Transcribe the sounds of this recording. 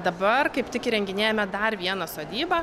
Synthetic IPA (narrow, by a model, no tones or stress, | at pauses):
d̪ɐbɐrkɐɪpt̪ʲɪkɪɾʲɛŋʲɡʲɪnʲeːjɛmʲɛd̪ɐrʋʲiɛnɐsoːd̪ʲiːbɐ